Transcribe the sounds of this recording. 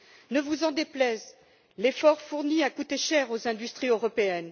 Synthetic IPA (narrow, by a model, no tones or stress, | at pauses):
nəvuzɑ̃d̪eplɛz | lefɔʁfuʁniakut̪eʃɛʁozɛ̃d̪yst̪χiøʁɔpeɛn